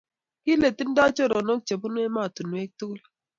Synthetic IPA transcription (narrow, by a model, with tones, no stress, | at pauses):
ki˦le˨ti˦n˦da˦t͡ʃo˦ɾɔ˨no˦k̚t͡ʃe˨bu˦nwe˦ma˦˨tu˨nwe˦k̚tu˦l